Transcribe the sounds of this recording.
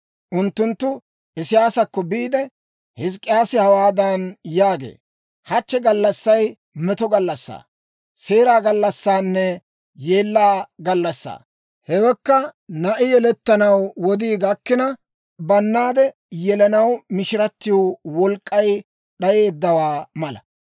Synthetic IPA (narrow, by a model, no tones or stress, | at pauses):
ʔʊnt̪ːʊnt̪ːʊ | ʔɪsɪjaːsɐkːɔbiːd̪ɛ | hɪskʼːɪjaːsɪhɐwaːd̪ɐnjaːɡḛː | hɐt͡ʃːɛɡɐlːɐsːɐj | mɛt̪ɔɡɐlːɐsːa̰ː | se̞ːɾaːɡɐlːɐsːaːnːɛ | je̞ːlːaːɡɐlːɐsːa̰ː | hɛwɛkːɐnɐʔɪjɛlɛt̪ːɐnɐwwɔd̪iːɡɐkːɪnɐ | bɐnːaːd̪ɛ | jɛlɐnɐwmɪʃɪɾɐt̪ːɪjowɔlkʼːɐj | ɗɐje̞ːd̪ːɐwaːmɐlɐ̰